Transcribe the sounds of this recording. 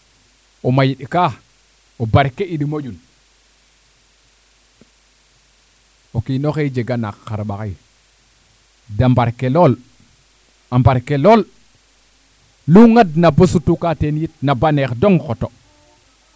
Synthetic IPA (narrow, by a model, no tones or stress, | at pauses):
omajiɗka | obaɾkeiɗimod͡ʒun | okinoxed͡ʒeɡana̰kːaɾɓakaj | dambaɾkelol | ambaɾkelol | luŋadnabosutukatenjit̚nabanekdoŋxoto